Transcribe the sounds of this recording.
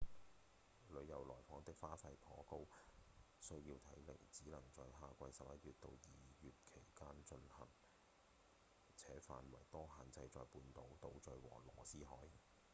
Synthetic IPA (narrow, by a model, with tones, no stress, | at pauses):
lɵ˨˧ɥjɐ˨wlɔː˨˩jfɔː˨˥ŋt̪ɪ˥k̚faː˥fɐ˧jpʰɔː˨˥ko˥w | sɵ˥ɥjiː˧wt̪ʰɐ˨˥jle˨˩ŋt͡siː˨˥lɐ˨˩ŋt͡sɔː˨˧ɦaː˧kʷɐ˧jsɐ˨p̚jɐ˦˥t̚yː˨t̚t̪o˧wjiː˨jyː˨t̚kʰe˨˩jkaː˥nt͡ʃɵ˧nhɐ̰˨˩ŋ | t͡sʰɛː˨˥fa̰ː˨nwɐ̰˨˩jt̪ɔː˥ɦaː˨˧nt͡sɐ˧jt͡sɔː˧jpuː˧nt̪o˨˥wt̪o˧wt͡sɵ˨˧ɥwɔ̰ː˨˩lɔː˨˩siː˥ɦɔ̰ː˨˥j